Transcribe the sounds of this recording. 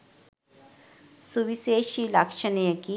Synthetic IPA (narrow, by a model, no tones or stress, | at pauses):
suʋiseːʃilɐkʃənijəki